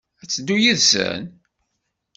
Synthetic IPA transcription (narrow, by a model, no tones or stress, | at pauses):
æt͡sːəd̪ːujiðsə̰n